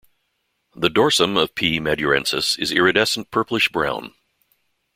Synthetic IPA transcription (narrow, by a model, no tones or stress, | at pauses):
ðɨdɔɹsə̃mʌv̥pʰimɛdjə˞ɛ̰̃nsɨsɨzɪɹɨdɛsn̩pʰɜ˞plɨʃb̥ɹã̰ʊ̃n